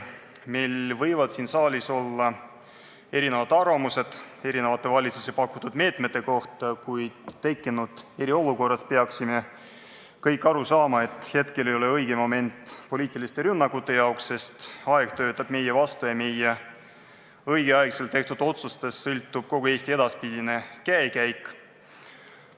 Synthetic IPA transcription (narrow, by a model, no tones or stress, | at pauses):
mejlvɤjvɑd̪̥siːnsɑːlʲiso̞lːɑ | e̞ɾine̞vɑt̪ːɑrvɑmuse̞d̪̥ | e̞ɾinevɑt̪ːˑe̞vɑlʲit̪susepɑkːˑut̪ːud̪me̞ːt̪ˑme̞t̪ːˑe̞ko̞ht̪ˑɑkujt̪e̞kˑːinud̪̥e̞ɾio̞luko̞rːɑspeɑksime̞ | kɤjkːˑɑɾusɑːmɑe̞t̪ːˑhe̞t̪ke̞lejo̞le̞ɤjɡ̥emo̞me̞nt̪ːˑpo̞lʲiːt̪ˑilist̪e̞ɾynːɑkːˑut̪ːˑe̞jɑoksːe̞st̪ɑe̞ɡ̥t̪ø̞ːt̪ːˑɑb̥̚me̞jevɑst̪ujɑmeje | ɤjɡ̥eɑeɡselt̪e̞ht̪ud̪̥o̞t̪sust̪e̞sːɤlʲt̪ːˑub̥̚ko̞ɡ̥ue̞ːsʲt̪ie̞d̪ɑspid̪ine̞kæekæjkˑ